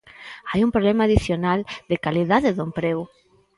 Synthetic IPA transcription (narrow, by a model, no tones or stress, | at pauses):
ajumpɾolɛmaːðiθjonald̪ɪkaliðaðɪðoempɾew